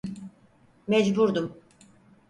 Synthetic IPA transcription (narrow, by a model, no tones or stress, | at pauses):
mɛd͡ʒbuɾd̪um